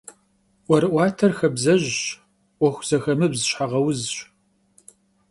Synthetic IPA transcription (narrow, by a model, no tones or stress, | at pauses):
ʔʷɔɾɨʔʷɑːtʰɐrxɐbzɐʑ | ʔʷɔxʷz̥ɐxɐmɨbzɨɕħaʁɐwzɕ